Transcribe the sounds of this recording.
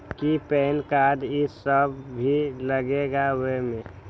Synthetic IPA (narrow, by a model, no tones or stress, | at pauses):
kipɛːnkad̪isəbʱiləɡeɡawemẽ